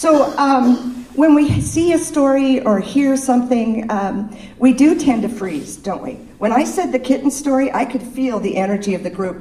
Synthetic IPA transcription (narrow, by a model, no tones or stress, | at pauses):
soʊmwə̃nwisiɨstɔɹiə˞hiɹsʌ̃mθɪ̃ŋ | widɨtʰɛ̃ntɨfɹiz̥d̥õʊ̃nʔwḭ | wə̃ñaɪsɛd̪̚ðɨkʰɪʔn̩stɔɹiʔa̰ɪkʰɨd̥filˠðiʔɛnə˞d͡ʒiʌvðɨɡɹʉp̚